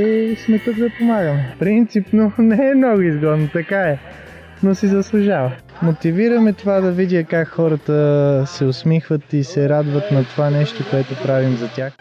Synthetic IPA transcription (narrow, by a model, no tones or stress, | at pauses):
ɛsmɛt̪ət̪d̪ɐpomaɡəmɛpɾint̪sipnonɛːmnɔɡʊizɡɔd̪not̪ɐkaɛ | nosizɐslˠʊʒavɐ | mot̪iviɾɐmɛt̪ovad̪ɐvid̪ʲjəkakxɔɾət̪əsɛʊsmixvət̪isɛɾad̪vət̪nɐt̪ovanɛʃt̪okoɛt̪opɾavimzɐt̪ʲax